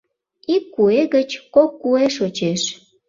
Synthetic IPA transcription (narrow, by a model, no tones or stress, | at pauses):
ikːueɣət͡ɕkokːueʃot͡ɕeʃ